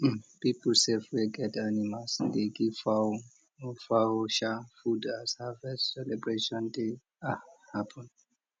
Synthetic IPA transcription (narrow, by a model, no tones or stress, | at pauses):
piplsɛfwɛɡɛtanimasdeɡifa | faoʃafudashavɛssɛlɛbɹeʃɔ̃nde | ahapʰɔ̃n